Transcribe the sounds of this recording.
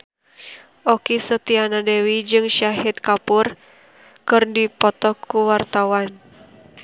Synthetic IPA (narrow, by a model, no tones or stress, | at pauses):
ʔɔkisət̪ianadewid͡ʒɨŋʃaɦit̪̚kapur | kɨrdipɔt̪ɔkʰuwart̪awan